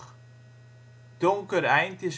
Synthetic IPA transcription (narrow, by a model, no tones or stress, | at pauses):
d̥oŋkəɾɛjntəs